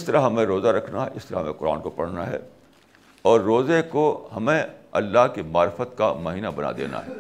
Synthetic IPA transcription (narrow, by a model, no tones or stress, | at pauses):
ɪst̪ɐɾaɦɐmẽɾoːzaɾɐkʰnaɦɛɪst̪ɐɾaɦɐmẽqʊɾa̰ːnkopɐɽ̤naɦɛ̰ː | ɔːɾːoːzekohɐmẽɐlːaɦkimaːɾfət̪kamɐɦiːnabɐna̰d̪ḛːna̰ɦɛː